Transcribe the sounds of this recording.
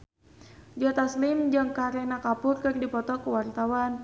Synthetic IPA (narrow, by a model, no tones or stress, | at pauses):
d͡ʒɔt̪aslimd͡ʒɨŋkaɾɛnakapʊrkɨrdipɔt̪ɔkəwart̪awan